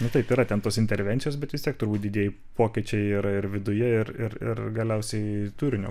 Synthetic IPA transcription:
nʊt̪ɐɪpiɾɐt̪ʲɛnt̪oːsɪnʲt̪ʲɛɾʲʋʲɛnʲsʲɪjoːsbʲɛt̪ʋʲɪsʲtʲiɛkt̪ʊɾbuːt̪̚ʲd̪ʲɪdʲiɛjɪ | poːkʲiɛt͡ʃʲɛɪɪɾɪrʋʲɪd̪ʊjɛɪrɪrɪ̰rɡɐlʲɛʊsʲɛɪt̪uːɾʲɪnʲo̰ː

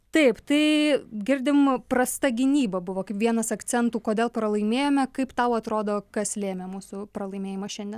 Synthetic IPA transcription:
t̪ɐɪpt̪ɐɪɡʲɪɾʲd̪ʲɪmpɾɐst̪ɐɡʲɪnʲiːbɐbʊʋoːkɐɪpʋʲiɛnɐsɐk̪t͡s̪ʲɛnt̪uːkoːd̪ʲeːlˠpɾɐlˠɐɪmʲeːjoːmʲɛkɐɪpt̪ɐʊɐt̪ɾoːd̪oːkɐslʲeːmʲɛmuːsʊpɾɐlˠɐɪmʲeːjɪmɐʃʲɛnʲd̪ʲɛn

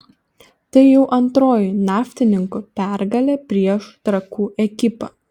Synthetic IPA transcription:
t̪ɐɪjɛʊʔɐnt̪ɾoːjɪnɑːfʲt̪ʲɪnʲɪŋkʊpʲæˑɾɡɐlʲeːpʲɾʲiɛʃt̪ɾɐkuːʔɛkʲɪpɐ

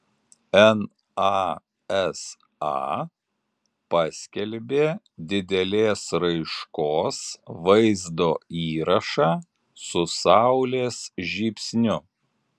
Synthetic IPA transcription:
ɛn | ɑ | ɛs | ɑ̰ | pɑsʲkʲɛlʲbʲeː | d̪ʲɪd̪ʲɛlʲeːsɾɐɪʃkoːsʋɐɪzd̪oːiːɾɐʃɑː | sʊsɑʊlʲeːsʒʲiːpʲsʲnʲʊ

